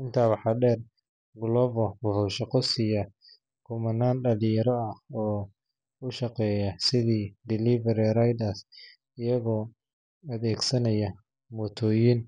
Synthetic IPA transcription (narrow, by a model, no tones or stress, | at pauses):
ɪnt̪ʰaːwɑħɑːɖɛːr | ɡʊlɔːvɔwʊhʊʃɑqɔsijɐ | kʰʊmɐnaːnɖɐlɪjɐɾɔɐhɔː | ʊʃɑqɛːjɐsɪðiːd̪ɪlivɛɾiɾajd̪as | ɪjɐɣɔː | ɐðɛːɡsɐnɐjɐ | mɔt̪ʰɔːjɪn